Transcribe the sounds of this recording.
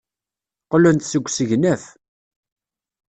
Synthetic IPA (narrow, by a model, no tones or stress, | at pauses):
qlʊnt̪səɡʷːsəʝnæf